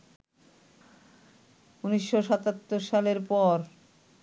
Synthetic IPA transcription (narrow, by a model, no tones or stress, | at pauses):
uniʃːoʃɔt̪at̪ːoɾʃaleɾpɔɾ